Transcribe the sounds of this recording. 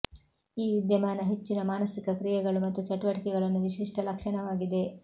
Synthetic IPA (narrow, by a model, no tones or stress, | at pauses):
iːʋid̪jɐmaːnɐɦe̞t͡ʃːinɐmaːnɐsikɐkɾijɛɡɐɭumɐt̪ːut͡ʃɐʈuʋɐʈikɛɡɐɭɐnːuʋiʂiʂʈʰɐlɐkʂɐɳɐʋaːɡid̪e̞